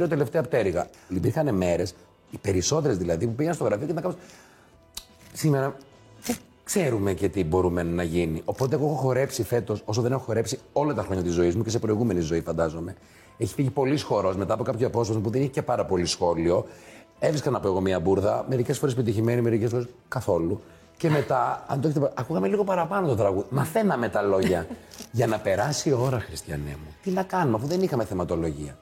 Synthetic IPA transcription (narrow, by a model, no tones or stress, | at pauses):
ɾot̪e̞le̞ft̪eɐpot̪eɾiɣɐipiɾxɐneme̞ɾe̞s | ipe̞ɾiso̞t̪e̞ɾezðilɐðipupiɣenst̪ɣɾɐfiocet̪nɐkɐms | simeɾɐ | ðe | kse̞ɾume̞ce̞t̪ibo̞ɾumenɐʝiniʔo̞po̞t̪eexoexoxo̞ɾe̞psife̞t̪o̞sosoðenexoxo̞ɾe̞psio̞lɐt̪ɐxɾo̞ɲɐt̪izːo̞izmuce̞se̞pɾo̞iɣume̞nizo̞ifɐnd̪ɐzo̞me̞ | eçi̥fiʝipo̞lisxo̞ɾo̞sme̞t̪ɐpo̞kɐpçoɐpo̞sfɐzmupuðeniçicepɐɾɐpo̞lisxo̞lio̞ | efɾisksɐnɐpoe̞ɣo̞miɐbuɾðɐme̞ɾice̞sfoɾes̬epit̪içime̞nime̞ɾicesfo̞ɾeskɐθo̞lu | ce̞me̞t̪ɐɐ̰nd̪oeçet̪eɐkuɣɐme̞liɣo̞pɐɾɐpɐnot̪o̞t̪ɾɐɣuðimɐθe̞nɐme̞t̪ɐlo̞ʝɐʝɐnɐpe̞ɾɐsio̞ɾɐxɾist̪çɐnḛmut̪inɐkɐnuɐfuðe̞nixɐme̞θemɐt̪o̞lo̞ʝiɐ